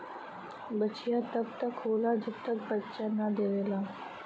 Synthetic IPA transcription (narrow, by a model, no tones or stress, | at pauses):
bət͡ʃijat̪əbt̪əkɦolad͡ʒɪt̪ːək̚bətːt͡ʃanad̪eʋela